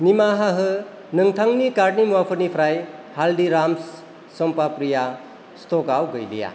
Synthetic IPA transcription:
nimaɦaɦɯ | nɯŋtʰaŋnikaɾ̚nimuwapʰɯɾnipʰɾajhaldiɾams | sɔmpapɾija | stokawɡɯjlḭja̰

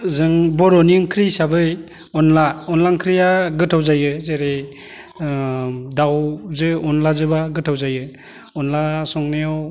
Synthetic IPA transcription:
zɯŋbɔɾɔniŋkʰɾisabɯj | ɔnlaɔnlaŋkʰɾijaɡɯtʰawzajɯzeɾe | dawzɯɔnlazɯbaɡɯtʰawzajɯ | ɔnlasɔŋneɔw

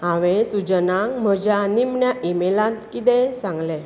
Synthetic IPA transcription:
ãʋẽsud͡ʑənãŋm̤əd͡ʑanimɳjaʔimelãt̪kit̪ɛ̃sãŋɡlɛ

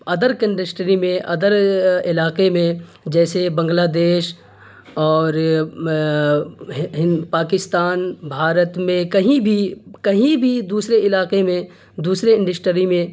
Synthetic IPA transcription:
ɐd̪əɾkə̃ɳɖəsʈɾimẽʔɐd̪əɾɪlaːqemẽ | d͡ʒɛːsebɐ̃ŋɡlaːd̪eːʃ | ɔːɾ | ɦɪ̃paːkɪst̪aːnbʱaːɾət̪mẽkɐɦĩbʱikɐɦĩbʱid̪uːsɾeɪlaːqemẽ | d̪uːsɾeɪ̃ɳɖəsʈɾimẽ

